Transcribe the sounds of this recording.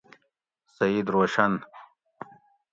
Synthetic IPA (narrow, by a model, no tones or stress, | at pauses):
sɐid̪ɾoːʃɐn